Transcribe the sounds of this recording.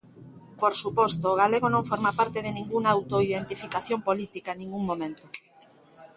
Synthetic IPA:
poɾsupɔst̪oːɣ̞aleɣ̞onõŋfoɾmapaɾt̪eðenĩŋɡuŋaːwt̪oiðent̪ifikaθjompolit̪ikanĩŋɡuŋmomẽnt̪o

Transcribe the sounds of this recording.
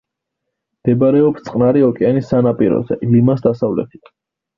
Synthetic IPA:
md̪̥ɛbaɾɛɔpst̪sʼqʼnaɾiɔkʼɛanisːanapʼiɾɔ̰zɛ̰limasd̪asavlɛ̰t̪ʰi̥

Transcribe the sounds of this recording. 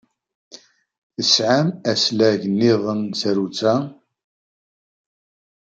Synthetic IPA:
θəsʕamæslæʝənːɪðˤənsæɾut͡sːa

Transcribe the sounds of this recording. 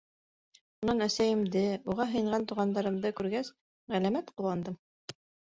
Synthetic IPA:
ʃunɑnæsæjɘ̆md̪ɘuʁɑɦɤ̆jɤ̆ɴʁɑnt̪uʁɑnd̪ɑɾɤ̆md̪ɤkʉɾɡæs | ʁælæmæt̪qŭlˠɑnd̪ɤm

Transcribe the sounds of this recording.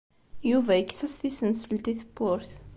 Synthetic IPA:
juvæəkθæsθisənsəlt̪iθəpːʊɾθ

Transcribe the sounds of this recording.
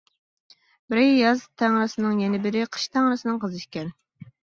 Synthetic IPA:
bɪɾjɑzt̪ʰæŋɾɨsɨnɨŋjɛnɪbɪɾɪqʰə̥ʃt̪ʰæŋɾɨsɨnɨŋqʰəzɨʃkʲɛn

